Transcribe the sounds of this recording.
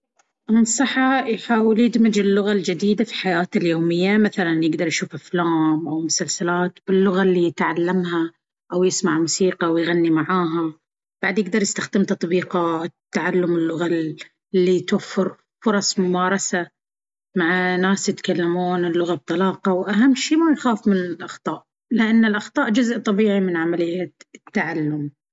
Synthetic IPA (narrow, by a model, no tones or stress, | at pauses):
ʔmɪnsˤɑħːɑjħaːwɪljɪd̪mɪd͡ʒɪlːʊɣald͡ʒɪd̪iːd̪afiħajaːt̪ɪljoːmɪjːamaθalanjɪɡd̪ɑɾˤjʃuːfʔaflaːmʔawmʊsalsalaːt̪b̥ɪlːʊɣalːijɪt̪ʕalːamɦa | ʔawjɪsmaʕmusiːqɑwjɣanːimaʕaːɦa | b̥aʕd̪jɪɡ̚d̪ɑɾˤjɪst̪axd̪ɪmt̪ɑt̪ˤbiːqɑɪt̪ːaʕalːʊmɪlːʊɣa | lːit̪wafːɪɾ | fʊɾˤɑsˤmʊmɑːɾˤɑsa | maʕnːaːsjɪt̪kalːamuːnɪlːʊɣab̚t̪ˤɑlɑːqɑwʔaɦamːʃiːmajxaːfmɪnɪlʔɑxt̪ˤɑːʔ | lɪʔanːɪlʔɑxt̪ˤɑːʔd͡ʒʊzʔt̪ˤɑbiːʕimɪnʕamalɪjːat̪ːaʕalːʊm